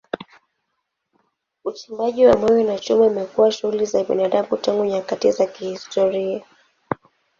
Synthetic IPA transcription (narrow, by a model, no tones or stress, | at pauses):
ut͡ʃimbaʄiwamɔjɔnat͡ʃumɛumɛkuwaʃuhulizaɓḭnaɗamutaŋɡuɲakatizakihistɔɾia